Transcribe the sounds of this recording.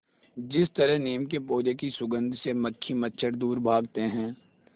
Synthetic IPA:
d͡ʒɪst̪əɾəɦniːmkepoːd͡ʒekisʊɡə̃nd̪ʱseməkʰːimətːʃʰəɾd̪uːɾbʱaːɡt̪eɦɛ̃ː

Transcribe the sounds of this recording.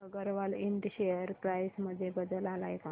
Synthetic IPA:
əɡəɾʋaliɳʈɕejəɾpɾajsməd̪ʱːjebəd̪əlalajka

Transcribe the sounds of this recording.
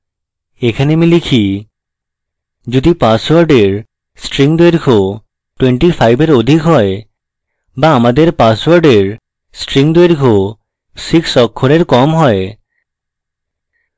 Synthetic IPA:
ekʰanemilikʰi | d͡ʑod̪ipaswaɾɖeɾ | sʈɾiŋd̪eɾkʰo | ʈweɳʈifʰajbeɾod̪ʱikɦɔe | baamad̪eɾpaswaɾɖeɾ | sʈɾiŋd̪oeɾkʰo | siksɔkʰːoɾeɾkɔmɦɔe

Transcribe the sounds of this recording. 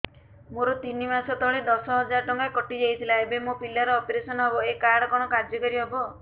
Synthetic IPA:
moɾɔt̪inimasɔt̪ɔɭed̪ɔsɔɦɔd͡ʒaɾʈɔŋkakɔʈid͡ʒejt̪ʰilaebemopilaɾɔːpeɾesɔnɔɦebɔekaɽɔkɔɽ̃ɔkaɾd͡ʒɔkɔɾiɦebɔ

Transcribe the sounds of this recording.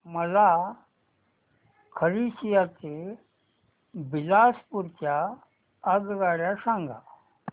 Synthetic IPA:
məla | kʰəɾisijat̪e | bilaspuɾt͡ɕaː | ɡɡaɽjasãŋɡa̰

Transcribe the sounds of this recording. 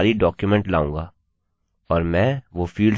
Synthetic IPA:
ɾiɖɔːkjʊmɛ̃ɳʈla̰ːũːŋɡaː | ɔːɾmɛ̃ːʋofiːlɖ

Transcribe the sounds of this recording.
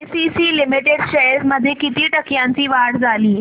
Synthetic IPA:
sisiːlimiʈeɽɕəjɾsməd̪ʱːjekit̪iːʈəkjãɲt͡ɕiːʋaɽd͡zʱaliː

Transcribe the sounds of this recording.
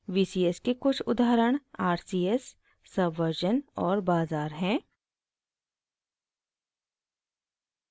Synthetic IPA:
ʋiːsiːeskekʊt͡ʃʰʊd̪aːɾəɽ̃aːɾsiːesː | ɐbʱʋəɾd͡ʒənɔːɾbaːzaːɾɦɛ̃ː

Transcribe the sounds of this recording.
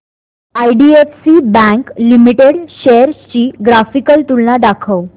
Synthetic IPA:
ajɖiefsibɛ̃ŋklimiʈeɽɕeəɾt͡ɕiːɡɾafikəlt̪ulːaɖakʰəw

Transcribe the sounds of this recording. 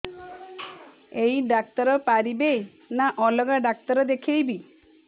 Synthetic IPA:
ejɖak̚t̪ɔɾɔpaɾibe | naʔɔlɔɡaɖak̚t̪ɔɾɔd̪ekʰejbi

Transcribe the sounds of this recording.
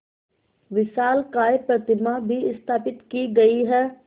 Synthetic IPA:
ʋɪsaːlkaːepɾɐt̪ɪmabʱiɪst̪ʰaːpɪt̪kiɡɐiɦɛː

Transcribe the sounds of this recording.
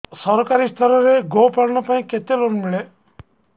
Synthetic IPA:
sɔɾkaɾist̪ʰɔɾɔɾeɡopɐɾnəpaĩket̪elonmiɭe

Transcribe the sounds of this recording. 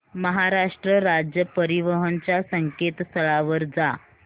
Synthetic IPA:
məɦaɾaʂʈɾəɾad͡ʑjəpəɾiʋəɦənt͡ɕjasəŋket̪st̪ʰəɭaʋəɾd͡za

